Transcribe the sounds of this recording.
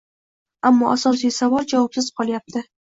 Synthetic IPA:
amːɒʔasɒs̬ijsavɒlˠd͡ʒavɒpsɪz̥qʰɒlˠjap̚t̪ʰɪ

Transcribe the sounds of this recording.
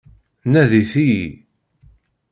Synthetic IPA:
næðiθiji

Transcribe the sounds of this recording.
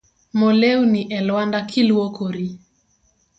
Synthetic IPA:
mɔlɛuniʔɛlwandakʰiluwokʰoɾi

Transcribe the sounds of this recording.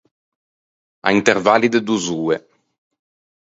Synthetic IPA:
a̰int̪eɾvalid̪ed̪uzuːe

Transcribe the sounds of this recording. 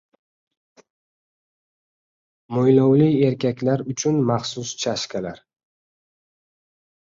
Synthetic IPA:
mojlɒwlie̞ɾkʲakʲlaɾʊt͡ʃʰʊnmaχsʊst͡ʃʰaʃkʲʰalaɾ

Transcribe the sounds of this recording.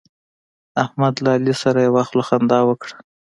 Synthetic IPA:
ahmad̪laːlisaɾajawaxloxand̪ɑwəkɽa

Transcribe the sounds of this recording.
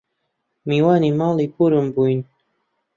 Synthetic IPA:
miwaːnimaːlipuɾəmbuin

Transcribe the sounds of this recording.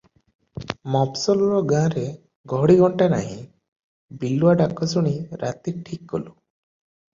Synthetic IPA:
mɔpsɔlɔɾɔɡãɾe | ɡʱɔɽiɡʱɔɳʈana̰ɦĩ | biluaɖakːɔsuɽ̃iɾat̪iʈʰikːɔ̰lu

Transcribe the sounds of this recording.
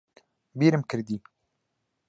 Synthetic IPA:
biːɾɨmkʰɨɾd̪iː

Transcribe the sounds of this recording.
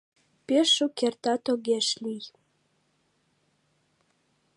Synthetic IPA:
peʃukert̪ɑt̪oɣeʃlʲij

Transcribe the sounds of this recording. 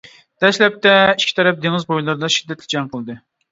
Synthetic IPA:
d̪̥ɛʃlɛp̚t̪ʰɛiʃkʲʰi̥t̪ʰɛɾɛp̚d̪eŋɨzbojlˠɨɾd̪ɑʃid̪ːɛt̪lɪd͡ʒɛŋqʰəlˠɨd̪ɨ

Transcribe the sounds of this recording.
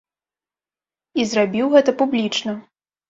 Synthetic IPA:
izrabʲiwɣɛt̪ɐpublʲit͡ʂnɐ

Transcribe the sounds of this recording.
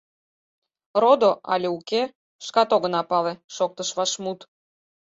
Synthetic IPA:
rod̪oʔɑ̰lʲeuke | ʃkɑt̪oɣənɑpɑleʃok̚t̪əʃβɑʃmut̪

